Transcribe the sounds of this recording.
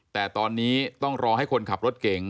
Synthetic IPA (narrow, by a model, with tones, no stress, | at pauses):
t̪ɛː˨˩t̪ɔː˧nːiː˦˥t̪ɔ˥˩ŋɾɔː˧ɦa˥˩jkʰo˧nkʰa˨˩p̚ɾo˦˥t̪̚ke˨˩ŋ